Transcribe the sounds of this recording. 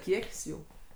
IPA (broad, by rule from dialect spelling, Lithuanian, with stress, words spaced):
ˈkʲiɛkʲsʲ ˈjuː